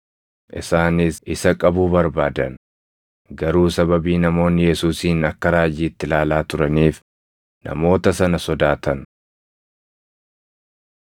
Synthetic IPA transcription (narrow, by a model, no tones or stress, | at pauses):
ʔɪ̰saːnɪsʔɪsɐkʼɐbuːbɐɾbaːd̪ɐn | ɡɐɾuːsɐbɐbiːnɐmo̞ːnːɪjɛsuːsiːnɐkːɐɾaːd͡ʒiːt̪ːɪlaːlaːt̪ʊɾɐniːf | nɐ̰mo̞ːt̪ɐsɐnɐsɔd̪aːt̪ʰɐn